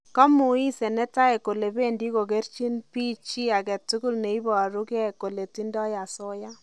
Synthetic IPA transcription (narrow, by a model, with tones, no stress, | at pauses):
kɔ˦mu˨i˦sɛ˨nɛ˦ta˦e˨ko˨le˨be˦ndi˦ko˨ke˦rt͡ʃi˦npi˦t͡ʃi˦a˨kɛ˨tu˦ɡu˦lne˨i˦bɔ˨ɾu˦kɛ˦ko˨le˨ti˦ndɔ˦ja˨so˦ja˦